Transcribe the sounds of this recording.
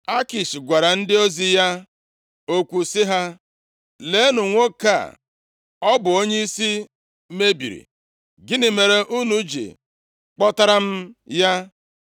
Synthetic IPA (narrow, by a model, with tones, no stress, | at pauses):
a˦ki˨ʃi˨ɡʷa˨ɾa˨n̩˦dɪ˦o˦zi˦ja˦ | o˦kʷu˨sɪ˦ɦa˦ | le˨˦nu˨ŋʷo˦ka̰˦˨ | ɔ˦bʊ˨o˦ɲe˦i˦si˦ | me˦bḭ˨ɾḭ˨ | ɡɪ˦nɪ˨me˨ɾe˨ʔu˦nu˦d͡ʒḭ˨ | k͡pɔ˦ta˦ɾa˦m̩˦ja˦